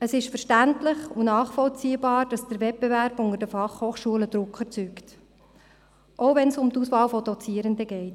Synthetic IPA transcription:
əsɪʃfəɾʃtæntlɪχunɑːχfɔlt͡siːəbɑːɾd̥ɑsd̥əɾvɛt̚b̥evæɾbʊŋəɾdəfɑχhoːχʃuələd̥̪ɾʊkʰχəɾt͡sykt | ʔoʊvɛnsʊmt̪usʋɑːlfɔd̥̪ɔt͡siəɾənd̪əɡɛɪt

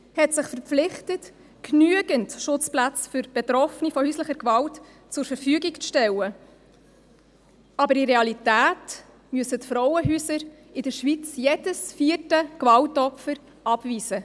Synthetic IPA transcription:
hɛtsɪχfəɾp͡flɪχtət | knyəɡəntʃʊt͡splæt͡sfʏɾb̥ɛt̪ɾɔfnifɔhyːsləχəɾkvɑlt | t͡sʊɾfəɾfyːɡikt͡sʃtɛlːə | ɑbəɾiɾeɑlitæːt | myəsətfɾɔwəɦyːsəɾ | ɪdəʃʋit͡sjed̥əsfiːərtəkvɑltɔpfəɾ | ʔɑb̥viːz̥ə

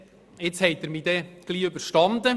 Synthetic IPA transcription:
ɪt͡shɛɪt̪ːəɾmiːd̪ɛɡ̥liːøbəɾʃtɑnd̪ə

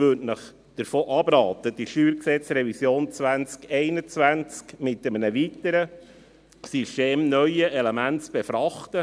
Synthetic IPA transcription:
vʉtnəχ | d̪̥əɾfoːʔɑbɾɑːt̪əd̥iʃyːɾksɛt͡srɛvisjoːnt͡sʋænt͡skɛɪnət͡svʋænt͡skmɪtːəmənəʋit̪əɾə | systeːmnœʏəʔelemæntt͡sb̥efɾɑχtə

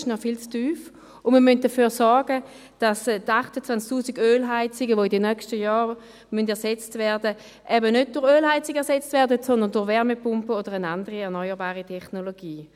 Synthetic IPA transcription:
ʃnɔfilt͡styːf | ʊnməmynt̚d̥ɐfyːʁsɔɐɡə | d̥astaχtət͡sʋant͡sk̚tuːsiɡøːlɦaɪt͡sɪɡəʋoːɪdɛnœkʃtəjaːʁ | myndɛɐsɛt͡stvɛːɐdə | ʔɛbənød̚d̥ʊʁøːlɦaɪt͡sɪɡɛɐsɛt͡stvɛːɐdətsɔndəndʊʁvɛʁmɛpʊmpəoːdəʁənandəʁiɛɐʁnɔʏəʁbaːʁitʰɛχnoloɡ̥iː

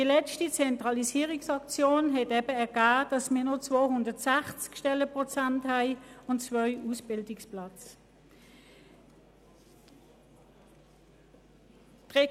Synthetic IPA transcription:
dilɛt͡ʃtit͡sɛntʁɑlisiːəʁɪksɑkt͡sjoːnɦɛtɛbəɛɐɡ̥aːd̥ɑsmiːɐnot͡svoːhʊndətsæχt͡skʃtɛləpʁɔt͡santhæɪʊntt͡svœʏʔuːsb̥ɪldɪksplɑt͡s | tʁɛ

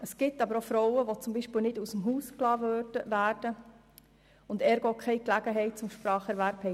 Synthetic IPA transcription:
əsɡ̥ɪtɑbəɾofɾɔwəʋot͡sʊmbiːʃpɪlnɪdusəmɦuːsklɑːʋødəʋæːɾd̥ə | ʊndɛːɾɡokʰɛɪklæɡ̥əɦɛɪt̚t͡sʊmʃpɾɑːχɛɾʋæɾphɛɪ

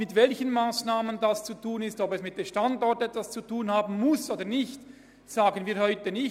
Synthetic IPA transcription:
mɪtvɛlçənmaːsnaːməndast͡sutʰuːnɪstɔbɛsmɪt̚d̥eːmʃtandɔʁtɛtvast͡sutʰuːnhaːbn̩mʊsoːdənɪçt | z̥aːɡənviːɾhɔʏtənɪ

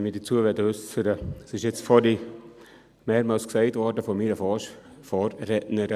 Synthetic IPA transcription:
miːdət͡suəʋɛdəøsəɾəsɪʃjɛt͡sfɔli | meːɾmɑːlsksɛɪtvɔɾdəfɔmiːɾəfɔ | fɔːrrɛtnəɾ

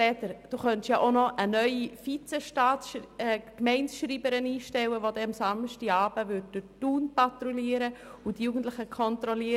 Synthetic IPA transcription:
ɛːtəɾd̥uːχœntjaʔonɔʔənœʏifit͡sɛʃtaːtʃkmɛɪnsʃriːbəɾəniːʃtɛwəvodɛmsɑmʃtiɑːbəvʏd̚d̥ʊtuːnpatɾuliːəɾəʊdjuːɡn̩tlɪxəkʰɔntɾɔliː

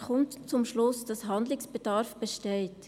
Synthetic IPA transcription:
kʰɔmtt͡sʊmʃlʊsd̥ɑsɦɑnd̪lɪksb̥ed̥ɑɾfb̥əʃteɪt

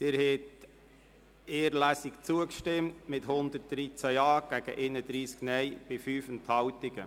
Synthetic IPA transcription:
d̪̥ɪɾhɛt | eːəɾlæːsɪkt͡suəkʃtɪmtmɪthʊnd̪ət̚d̥ɾit͡sæɑːɡ̥æɡ̥ə̰ʔenəd̪ɾiːsknɛjb̥ɪfyːfənthɑwtɪɡ̥ə

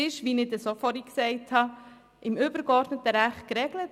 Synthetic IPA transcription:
ɪʃʋinɪdəsofɔɾiksɛɪthɑ | ʔɪmʏb̥əɾkɔɾdnətəɾæχtkɾɛɡlət

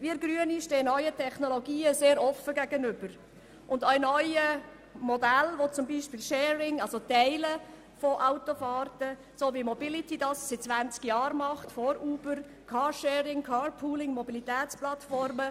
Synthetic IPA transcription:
ʋiəɡɾyəniʃteːnœʏətʰɛχnoloɡiːəseːɾɔfːəɡæɡ̥ənʏb̥əɾ | ʔʊndœɪnœʏə | modælʋot͡sʊmbiːʃpɪlʃɛːɾɪŋɑlsot̪ɛɪlə | foʔaʊtofɑːrtə | soːʋimobɪlit̪idɑːssɪ̥t͡sʋænt͡skjɑːɾmɑχtfɔɾuːb̥əɾ | kʰɑːʃɛːɾɪŋkʰɑːɾpʰuːlɪŋmɔbilit̪ɛːt͡splɑtfɔɾmə

